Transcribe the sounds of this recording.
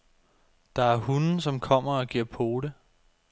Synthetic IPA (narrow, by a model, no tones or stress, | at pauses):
d̥ɑ̈æɐhunn̩sɒ̽mkʰɒ̽m̰ɐɒ̽ɡ̥iɐ̰pʰo̝ːɾ̥ə